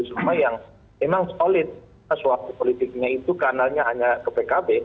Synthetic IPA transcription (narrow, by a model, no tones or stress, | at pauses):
sumajaŋ | memaŋsolɪt̪̚ | əsuat̪upolit̪ɪk̚ɲait̪ukanalɲaɦaɲakəpekabe